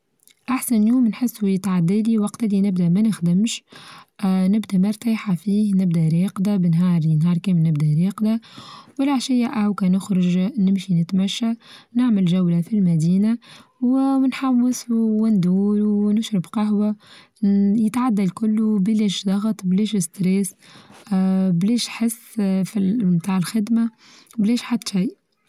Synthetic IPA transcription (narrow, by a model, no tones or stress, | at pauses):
ʔaħsanljuːmnħɪsːujɪt̪ʕad̪ːaliwɑqt̪alinɪbd̪æmænɪxd̪ɪmʃ | nɪbd̪amɑɾˤt̪əħafiːhnɪbd̪æɾeːqd̪abɪnɦɑːɾˤinɦɑːɾˤkeːmlnːɪbd̪æɾeːqd̪awɪlʕaʃɪjːaʔawkænʊxɾʊʒnɪmʃinɪt̪mæʃːanɪʕmɪlʒawlafilmæd̪iːnawwɪnħawwːɪsuwɪnd̪uːɾunʊʃɾɪbqɑɦwa | jɪt̪ʕad̪ːalkʊlːubleːʃd̪ˤɑɣt̪ˤbleːʃɪst̪ɾeːs | bleːʃħɪsːfimt̪aːʕɪlxɪd̪ma | bleːʃħad̪ːʃiːʔ